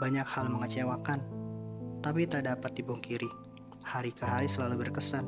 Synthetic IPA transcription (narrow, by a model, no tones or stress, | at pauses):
baɲak̚halməŋət͡ʃewakan | t̪ap̬it̪adapat̪̚dibɔŋkiɾi | haɾikəɦaɾisəlalubərkəsan